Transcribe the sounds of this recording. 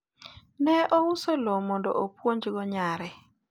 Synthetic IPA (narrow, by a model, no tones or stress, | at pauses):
nɛʔɔusolomɔndɔ̰ʔopwoɲd͡ʒiɡɔɲaɾɛ